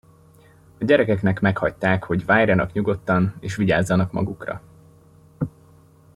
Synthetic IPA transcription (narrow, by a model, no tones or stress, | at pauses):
ɒɟɛɾɛkɛknɛkmɛkhɒct̪aːkho̞ɟvaːrɒnɒkɲuɡo̞t̪ːɒneːʃʋiɟaːzːɒnɒkmɒ̰ɡukrɒ̰